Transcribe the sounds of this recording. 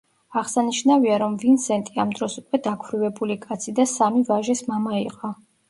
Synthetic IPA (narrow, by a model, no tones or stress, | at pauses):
aʁsaniʃnaviaɾɔmvinsɛnt̪ʼiamd̪ɾɔsukʼwɛd̪akʰwɾivɛbulikʼat̪sʰid̪asamivaʒismamaiqʼɔ